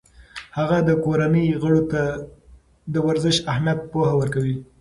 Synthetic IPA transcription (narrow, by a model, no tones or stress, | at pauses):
haɣad̪əkoɾanəjɣəɽot̪a | d̪əwaɾzɪʃahmjat̪̚poɦawəɾkawi